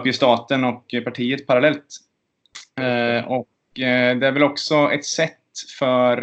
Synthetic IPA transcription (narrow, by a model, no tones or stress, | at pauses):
pjəst̪ɑːt̪ənɔkpaʈʰiːət̪̚pʰaɾalɛlt̪ | ɔk | d̪ɛæɾvɛlɔksɔɛ̰t̪sɛt̪ːfœɾ